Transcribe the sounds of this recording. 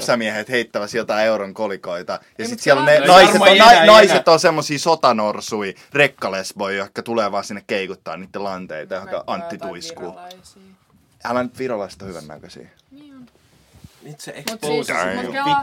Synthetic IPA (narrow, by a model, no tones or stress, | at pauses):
sɑmiɛhet̪heit̪ːæʋæsjot̪ɑieuɾoŋkolikoit̪ɑjɑsit̪siɛlonenɑiset̪onɑinɑiset̪ːosemːosiːsot̪ɑnorsui | rekːɑlesʋoijohikːɑt̪uleːʋɑːsinːekkeikut̪ːɑ̰ːniːt̪ːelɑnt̪ḛit̪ɑjohkɑʔɑnt̪ːit̪uiskuː | ælænyt̪ʋirolɑst̪ohyʋæ̰nːæ̰køsḭː